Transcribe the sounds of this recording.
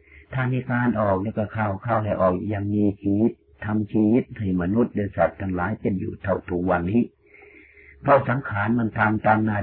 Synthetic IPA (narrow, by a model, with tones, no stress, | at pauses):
t̪ʰaː˧˩miː˧kaː˧nʔɔː˨˩k̚lɛː˦˥˩wkɔː˧˩kʰa˧˩wkʰaː˧˩wlɛ˧˩ʔɔː˨˩k̚ja˧ŋmiː˧t͡ɕʰiː˧wi˦˥t̪̚ʰːa˧mt͡ɕʰiː˧wi˦˥t̪̚ha˧˩ma˧nu˦˥t̪̚dɤː˧sa˨˩t̪̚ʰːa˧ŋlaː˨˦jpe˧˨njṵː˨˩t̪ʰa˧˩wt̪ʰu˨˩k̚wa˧˩nːiː˦˥ | pʰɾɔ˦˥ʔsa˨˦mkʰaː˨˦nma˧˥˨nt̪ʰaː˧ŋt̪aː˧ŋnaː˧˩